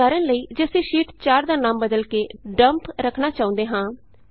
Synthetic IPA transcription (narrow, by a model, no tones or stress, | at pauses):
aːɾənləiːd͡ʒeseːʃiːʈt͡ʃaːɾd̪aːnãːmbəd̪əlkeːɖəmpɾəkʰnaːt͡ʃaːõnd̪eːɦãː